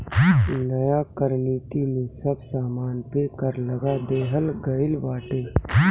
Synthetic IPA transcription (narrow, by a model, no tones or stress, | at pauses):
nɐjakɐɾniːt̪imẽsɐbsaːmaːnpeːkəɾlɐɡad̪eːɦəlɡɐɪlʋaːʈeː